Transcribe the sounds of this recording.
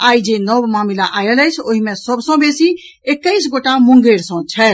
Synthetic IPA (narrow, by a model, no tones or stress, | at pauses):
aːid͡ʒenɔʋmaːmilaʔaːjələjt͡ʃʰoɦimẽsəbsɔ̃besi | ekːəɪsɡoʈamʊ̃ŋɡeːɾsɔ̃t͡ʃʰɛ